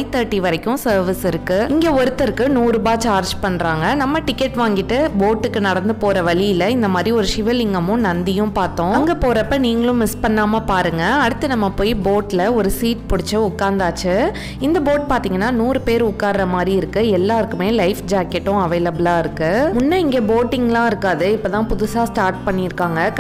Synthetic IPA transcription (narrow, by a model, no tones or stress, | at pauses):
t̪ɐɾʈːiʋɐɾɐkːʊ̃sɐːɾʋɪsɪɾɯkːɯɪŋɡeːɔɾɯt̪ːɐɾɯkːɯnuːɾɯbaːt͡ʃaːɾd͡ʒpɐɳːɾaːŋɡɐnɐmːɐʈɪkːɛʈʋaːŋɡɪʈːɯboːʈːɯkːɯnɐɽɐnd̪ɯpoːɾɐʋɐɭɪjɪlɐɪnd̪ɐmaːd̪ɾiɔɾɯʂɪʋɐlɪŋɡɐmʊ̃nɐnd̪ɪjʊ̃paːɾt̪õːɐŋɡɐpoːɾɐpːɐniːŋɡɐɭʊ̃mɪspɐɳːaːmɐpaːɾɯŋɡɐːɽɯt̪ːɯnɐmːɐpoːjiboːʈɪlɐɔɾɯsiːʈpɔɽɪt͡ʃːɯʊkːaːɾnd̪aːt͡ʃːɯ | ɪnd̪ɐboːʈ̚paːɾt̪iːŋɡɐnːaːnuːɾɯpeːɾʊkːaːɾɾɐmaːd̪ɾiɪɾɯkːɯɛlːaːɾɯkːɯmeːlɐɪfd͡ʒaːkːɛʈːʊ̃ɐʋɐɪlɐbɯɭaːɪɾɯkːɯmʊnːɐɪŋɡeːboːʈːɪŋɡlãːɪɾɯkːaːðɯɪpːɐːt̪ãːpʊðʊsaːsʈaːɾʈ̚pɐɳːɪɪɾɯkːaːŋɡɐ